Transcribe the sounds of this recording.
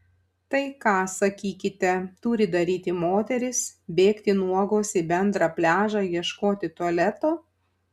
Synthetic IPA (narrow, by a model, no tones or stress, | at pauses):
t̪ɐɪkɑːsɐkʲiːkʲɪt̪ʲɛt̪ʊɾʲɪd̪ɐɾʲiːt̪ʲɪmoːt̪ʲɛɾʲɪsbʲeːkt̪ʲɪnuɔɡoːsʲɪbʲɛnd̪ɾɑːpʲlʲæːʒɑːjiɛʃkoːt̪ʲɪt̪uɔlʲɛt̪oː